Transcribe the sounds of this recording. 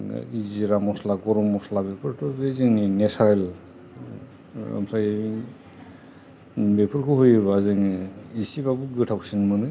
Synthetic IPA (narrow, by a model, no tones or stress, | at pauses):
iziɾamɔslaɡɔɾɔmɔslabepʰɯɾtʰubezɯŋinesaɾel | a̰msaj | bepʰɯɾkʰɯɦojɾbazɯŋiisibaɡuɡɯtʰawsinmɯnɯ